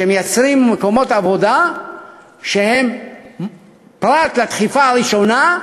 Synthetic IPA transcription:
emejat͡sʁimmeko̞mo̞t̪avo̞d̪a | ʃe̞he̞m | pʁat̪lat̪χifaʁiʃo̞na

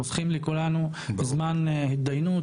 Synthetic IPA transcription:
ofχimlekulanu | bezmanhid̪ajnu

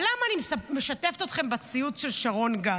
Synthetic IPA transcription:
lamaːnimmeʃat̪e̞ft̪ot̪χe̞mbat͡siutʃelʃaʁo̞nɡa

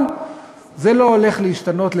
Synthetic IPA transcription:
n | zelo̞ːle̞χleiʃtano̞tle

